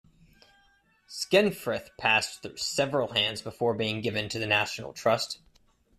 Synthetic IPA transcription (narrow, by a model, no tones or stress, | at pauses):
skɛ̃nfɹɪθpʰæsθʉsɛvɹəl̩ˠɦæ̃ndzbəfɔɹbiɪ̃ŋɡɪvɨ̃ntʰɨðɨnæʃn̩l̩ˠtʰɹ̥ʌst